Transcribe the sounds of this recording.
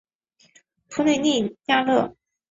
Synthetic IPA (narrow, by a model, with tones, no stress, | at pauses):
t̪ʰu˥ne˥˧ɪni˥˩nja˥lɤ˥˩